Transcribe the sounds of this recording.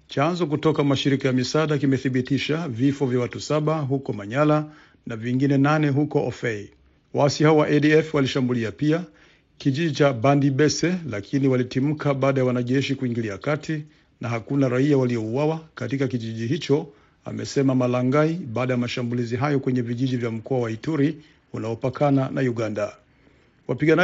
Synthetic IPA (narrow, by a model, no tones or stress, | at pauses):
t͡ʃanzɔk̬utɔkamaʃiɾikajamisaɗakimɛθiɓitiʃavifɔvjawatusaɓaɦukɔmaɲala | naviŋɡinɛnanɛɦukɔʔɔfɛ | waasihaɔwaʔɛɗiɛfwaliʃambuliapia | kiʄiʄit͡ʃaɓandiɓɛsɛlakʰiniwalitim̩kaɓaːɗajawanaʄɛʃikuiŋɡiliakatʰi | naɦakunaɾaiawaliɔuwawakatikakiʄiʄiɦit͡ʃɔ | a̰mɛsɛmamalaŋɡaiɓaːɗajamaʃambuliziɦajɔkwɛɲɛviʄiʄivjam̩kɔawaituɾi | unaɔpakʰananauɡanda | wapiɠana